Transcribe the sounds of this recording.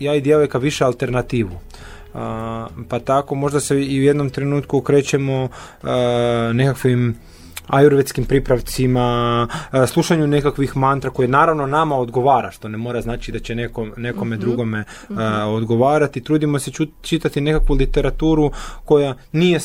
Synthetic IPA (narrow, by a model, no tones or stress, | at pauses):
jaːid̪je̞lojkaʋiʃealˠt̪e̞ɾnat̪iːʋu | pat̪ako̞mo̞ʒd̪aseiujed̪no̞mt̪ɾe̞nuːt̪kukɾe̞ːt͡ɕemo̞ | ne̞kakʋim | ajuɾʋet̪skimpɾipɾaʋt̪sima | slˠuʃaɲune̞kakʋixmant̪ɾako̞jenaːɾaʋno̞namao̞d̪ɡo̞ʋaːɾaʃt̪o̞nemo̞ɾaznaːt͡ʃid̪at͡ɕe̞nekone̞ko̞me̞d̪ɾuɡo̞me̞ | od̪ɡo̞ʋaːɾat̪it̪ɾuːd̪imo̞set͡ʃit̪at̪ine̞kakʋulit̪e̞ɾat̪uːɾuko̞janije̞